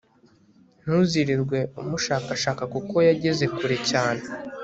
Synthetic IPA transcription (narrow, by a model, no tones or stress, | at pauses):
n̥huziɾiɾɡwe̞umuʃaːkaʃaːkakuko̞jaɟe̞ze̞kuɾecaːne